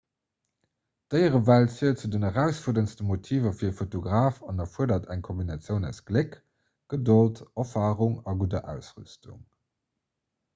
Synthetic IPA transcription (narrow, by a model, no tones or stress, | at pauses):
d̥əɪəʁəvæltsiːɐtt͡sudənəʁæʊsfuɐdənstəmotʰiːvɐfiɐfotoɡʁaːfɑnɐfuədɐtʰæŋkʰombinɑt͡sjəʊnæ̰ʊsɡ̥lek | ɡ̥ədoltɐfaːʁuŋɑɡudɐʔæʊsʁy̰stṵŋ